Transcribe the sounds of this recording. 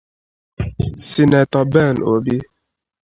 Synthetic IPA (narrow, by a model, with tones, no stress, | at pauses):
si˨nɛ˨t̪ɔ˨bɛ˦˨nʔo˨bi˦